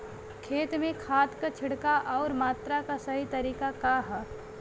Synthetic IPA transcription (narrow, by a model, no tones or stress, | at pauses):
kʰeːt̪mẽkʰaːt̪kat͡ʃʰɪɽkaʔɔːɾmaːt̪ɾakasɐɦit̪ɐɾiːkakaɦɛ